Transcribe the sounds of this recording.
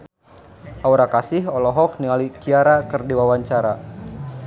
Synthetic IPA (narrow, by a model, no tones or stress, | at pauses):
ʔauɾakasɪhɔlɔɦɔk̚niŋalikiaɾakɨrdiwawaɲt͡ʃaɾa